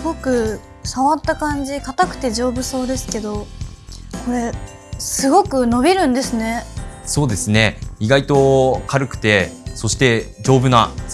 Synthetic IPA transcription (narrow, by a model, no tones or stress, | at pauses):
sɡo̞kɯ̟ | saβat̪ːakãɲ̟d͡ʑikat̪akɯ̟̥t̪e̞ʑo̞ːbɯ̟so̞ːd̪e̞sɨ̥ke̞d̪o̞ | ko̞ɾe̞ | sɨɡo̞kɯ̟no̞bʲiɾɯ̟̃nd̪e̞sɨne̞so̞ːd̪e̞sɨne̞iɡait̪o̞kʰaɾɯ̟kɯ̟̥t̪e̞so̞ɕi̥t̪e̞d͡ʑo̞ːbɯ̟na